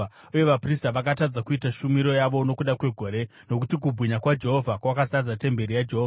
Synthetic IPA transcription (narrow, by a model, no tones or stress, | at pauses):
uje̞ʋapristaʋakatad͡zakuitaʃumiɾo̞jaʋo̞no̞kuɗakwe̞ɡʱo̞ɾe̞ | no̞kutik̬ubʱwiɲakwad͡ʒe̞ɦo̞vʱakwakasad͡zate̞mbe̞ɾijad͡ʒeɦoːva